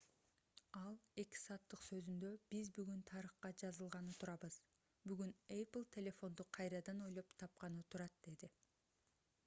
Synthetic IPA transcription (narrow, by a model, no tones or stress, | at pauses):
ɑlˠe̞ki̥sɑːt̪ːɯqsø̞zynd̪ø̞b̥izbyɡynt̪ʰɑɾɯχqɑd͡ʒɑzɯlˠʁɑnɯt̪ʰuɾɑβɯz̥ | byɡyneplˠt̪ʰʲelʲe̞fo̞nd̪uqʰɑjɾɑd̪ɑno̞jlˠo̞pt̪ʰɑp̚qɑnɯt̪ʰuɾɑt̪̚d̪e̞d̪i